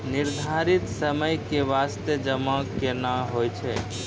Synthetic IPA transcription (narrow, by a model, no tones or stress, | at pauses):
niɾd̪ʱaɾit̪səməjkeʋast̪ed͡ʒəmakenaɦojt͡ʃʰɛ